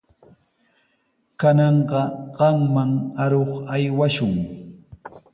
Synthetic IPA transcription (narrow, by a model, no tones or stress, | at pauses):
kanɑɴɢɑɢɑŋmaŋaɾoχajwaʃʊŋ